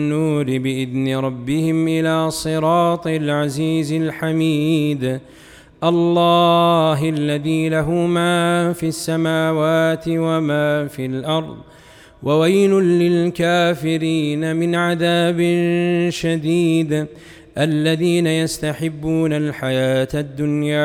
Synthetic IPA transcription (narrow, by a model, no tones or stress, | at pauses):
uːɾɪbɪʔɪðnɪɾˤɑbːɪhɪmʔɪlaːsˤɨɾɑːt̪ˤɪlʕaziːzɪlħamiːd̪ | ʔɑlˤːɑːɦʔalːaðiːlaɦʊmaːfiʔasːamaːwaːt̪ɪwamaːfilʔɑɾˤðˤ | wʔawajlʊːɪlkaːfɪɾiːnamɪnʕaðaːbɪnʃad̪iːd̪ | ʔalːaðiːnajast̪aħɪbːuːnalħajaːt̪d̪ːʊnjaː